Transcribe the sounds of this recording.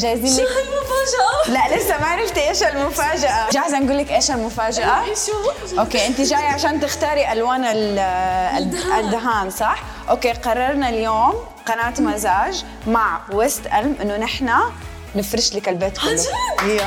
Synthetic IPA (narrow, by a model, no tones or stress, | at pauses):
ʒaːjːziːnlɪkːʔlaʔlɪsːamaʕɾɪft̪iʔeːʃalmʊfaːd͡ʒaʔaʒaːħzanɡuːlːɪkʔeːʃalmʊfaːd͡ʒaʔa | ʔoːkeːʔɪnt̪iʒaːjʕaʃaːnt̪ɪxt̪ɑːɾiʔalwaːnal | ɪd̪ːʊɦaːnsˤɑħ | ʔoːkeːqɑrˤːɑɾˤnaljoːm | qɑnaːt̪mazaːʒ | maʕwast̪ʔalmʔɪnːʊnɪħna | nɪfɾɪʃlɪkalbeːt̪kʊlːʊ